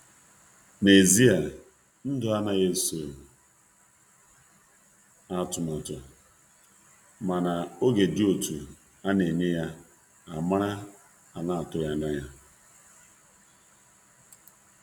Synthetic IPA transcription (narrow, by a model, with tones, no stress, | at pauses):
ne˨zi˦a˨ | n̩˦dʊ˨˦a˦na˦je˦so˨ | a˦tʊ˨ma˨ta˨ | ma˨na˨o˦ɡe˨dɪ˦o˨tu˨ | a˦ne˨ɲe˦ja˦ | a˨ma˦ɾa˦ | a˨na˦a˨tʊ˦ja˦na˦ja˦